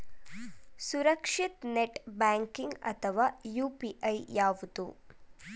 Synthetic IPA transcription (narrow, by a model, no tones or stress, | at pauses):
suɾɐkʂit̪neʈbaːŋkiŋɡɐ̰t̪ʰɐʋaːjuːpiʔɐjjaːʋud̪u